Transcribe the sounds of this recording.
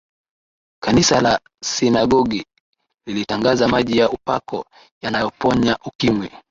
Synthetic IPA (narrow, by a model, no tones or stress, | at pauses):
kanisala | sinaɡɔɡi | lilitaŋɡazamaʄijaʔupa̰kɔ̰ | janajɔpɔɲaʔukimwɛ